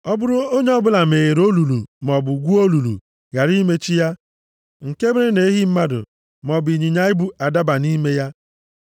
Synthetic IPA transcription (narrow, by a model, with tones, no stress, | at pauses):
ɔ˦bʊ˦ɾʊ˦o˦ɲe˦ɔ˦bʊ˦la˨m̩e˨ɣe˨ɾo˦lu˨lu˨mɔ˨bʊ˨ɡʷu˦o˦lu˨lṵ˨ | ɣa˨ɾi˦me˦t͡ʃi˦ja˦ | ŋ̩˨ke˦be˦e˦ne˨˦ɦi˦m̩˦ma˦dʊ̰˨ | m˨ɔ˨bi˨ɲi˨ɲa˦ɪ˦bu˦a˨da˦ba˨ni˦me˦ja˦